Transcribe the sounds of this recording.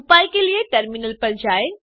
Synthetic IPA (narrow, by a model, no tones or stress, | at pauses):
paːikelieʈɐɾminəlpɐɾd͡ʑaːe